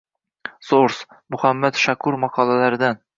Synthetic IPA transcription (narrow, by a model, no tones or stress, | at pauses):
soɾs | mɵχæmːæt̪ʃækʉɾmɑqɑlˠælæɾd̪æn